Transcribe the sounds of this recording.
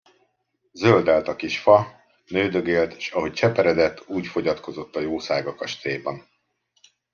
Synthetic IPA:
zøld̪aːlt̪ɒkiʃfɒ | nøːd̪øɡeːlt̪ʃɒɦo̞c̚t͡ʃɛpɛɾɛd̪ɛt̪ːuːcfo̞ɟɒt̪ko̞zo̞t̪ːɒjoːsaːɡɒkɒʃt̪eːbɒn

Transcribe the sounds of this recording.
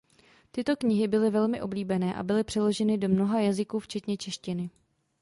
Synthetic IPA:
t̪ɪt̪o̞kɲɪɦɪbɪlɪvɛlmɪʔo̞bliːbɛnɛːʔa̰bɪlɪpr̝̥ɛlo̞ʒɛnɪdo̞mno̞ɦajazɪkuːft͡ʃɛt̪ɲɛt͡ʃɛʃcɪnɪ

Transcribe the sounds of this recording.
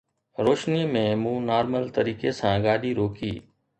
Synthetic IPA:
ɾoːʃnimẽːmũːnaːɾməlt̪əɾiːkesãːɡaːɗiːɾoːkiː

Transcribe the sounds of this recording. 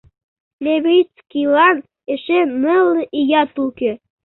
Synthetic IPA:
lʲeβʲit͡skilɑn | eʃenəlʔijɑt̪uke

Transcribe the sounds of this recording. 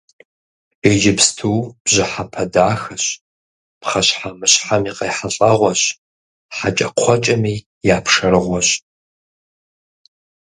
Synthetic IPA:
beːʒɪpstʰuːb̥ʑɪħapʰɐdaːxɐɕ | pχɐɕħamɨɕħamiːqɐːħaɬʼɐʁʷɔɕ | ħat͡ʃʼɐqʷʰɔt͡ʃʼɐmiː | jaːpʰʂɐɾɨʁʷɔɕ

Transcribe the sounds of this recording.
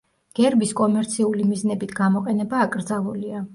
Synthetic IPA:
ɡ̥ɛɾbiskʼɔmɛɾt̪sʰiulimiznɛbit̪ʰɡamɔqʼɛnɛbaːkʼɾd̪zalˠulia

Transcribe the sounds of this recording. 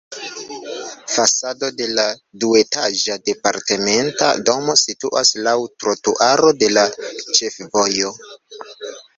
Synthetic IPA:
fasado̞de̞ladue̞taʒade̞paɾte̞me̞nta̰do̞mo̞situʔa̰slawtɾotuʔaɾo̞de̞lat͡ʃe̞fvo̞jo̞

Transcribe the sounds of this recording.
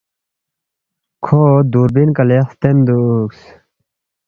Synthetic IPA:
kʰod̪uːɾbinkɐlest̪end̪uːks

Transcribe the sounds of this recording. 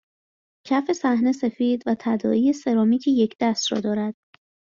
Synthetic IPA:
cʰæfe̞sæhne̞se̞fiːd̪væt̪ʰæd̪ɒ̰ːiːjese̞ɾɒːmiːcʰejecʰd̪æst̪ɾɒ̰ːd̪ɒːɾæd̪̥

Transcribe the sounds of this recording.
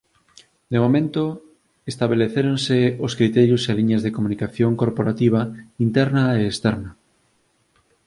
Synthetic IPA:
d̪emomẽnt̪o | est̪aβeleθeɾonseoskɾit̪ɛɾjoseliɲazðekomunikaθjoŋkoɾpoɾat̪iβ̞aint̪ɛɾnaeːst̪ɛɾna

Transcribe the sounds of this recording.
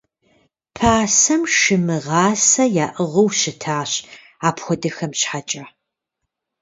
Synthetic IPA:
pʰaːsɐmʃɨmɨʁɑːsɐjaːʔɨʁɐwɕɪtʰaːɕ | aːpxʷɔdɨxɐmɕħat͡ʃʼɐ

